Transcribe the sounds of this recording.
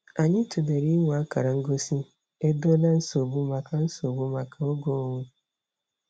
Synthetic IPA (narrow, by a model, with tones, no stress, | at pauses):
a˨ɲɪ˦tu˨de˨ɾi˦ŋʷ˨a˦ka˨ɾa˨ŋ̩˦ɡo˦si˦ | e˦do˦la˦n̩˦so˨bu˦ma˨ka˨n̩˦so˨bu˦ma˨ka˨o˦ɡo˦˨ŋʷu˦